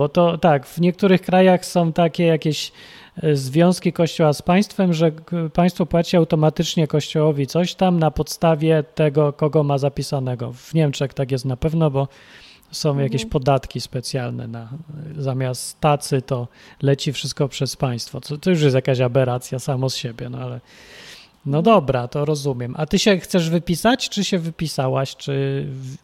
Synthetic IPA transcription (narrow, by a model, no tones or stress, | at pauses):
bɔt̪ɔt̪aɡv̥ɲɛk̚t̪uɾɘxkɾajaxsɔ̃w̃t̪akʲɛjakʲɛɕ | zvʲjɔ̃w̃skʲikɔɕt͡ɕɔwaspaj̃st̪fɛmʐɛpaj̃st̪fɔpwat͡ɕiawt̪ɔmat̪ɘt͡ʂɲɛkɔɕt͡ɕɔwɔvʲit̪sɔɕt̪amnapɔt̪st̪avʲjɛt̪ɛɡɔkɔɡɔmazapʲisanɛɡɔ̰vɲɛmt͡ʂɛxt̪ak̬jɛst̪napɛvnɔbɔ | sɔ̃w̃jakʲeɕpɔd̪at̪kʲispɛt̪sʲjalnɛ̰nazamʲjast̪ːat̪sɘt̪ɔlɛt͡ɕifʂɘst̪kɔpʂɛspaj̃st̪fɔt̪ɔt̪ɔjuʂ̬jɛst̪jakaɕabɛɾat̪sʲjasamɔsɕebʲjɛnɔ̰alɛ | nɔd̪ɔbɾat̪ɔɾɔzumʲjɛmʔat̪ɘɕɛxt̪sɛʐvɘpʲisat͡ɕt͡ʂɘɕɛvɘpʲisawaɕt͡ʂɘv